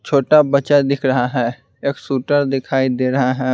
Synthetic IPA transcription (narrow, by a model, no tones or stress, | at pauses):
t͡ʃʰoːʈabɐt͡ʃad̪ɪkʰɾɐɦaɦɛː | eːksuːʈəɾd̪ɪkʰaːid̪eːɾɐɦaɦɛː